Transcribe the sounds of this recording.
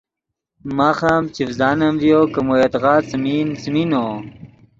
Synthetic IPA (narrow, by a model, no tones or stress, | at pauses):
maxamt͡ɕifzaːnɐmvjokɐmojet̪ɣaːt͡sminsmino